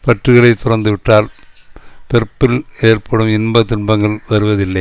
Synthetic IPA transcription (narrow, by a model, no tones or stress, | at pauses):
pɐʈrɯɣɐɭɐɪt̪ːʊrɐnd̪ɯʋɪʈːaːl | pɛɾɯpːɪleːrpʰɐɽɯmɪnmbɐt̪ʊɳbɐŋɡɐɭʋɐɾɯʋɐðɪlːɐɪ